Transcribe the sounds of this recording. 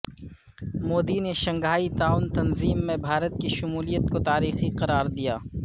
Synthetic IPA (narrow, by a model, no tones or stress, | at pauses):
moːd̪ineʃɐ̃ŋɡʱaːit̪aːʊnt̪ɐnziːmːẽbʱaːɾət̪̚kiʃʊmuːlijət̪̚kot̪aːɾiːxiqɐɾaːɾd̪ijaː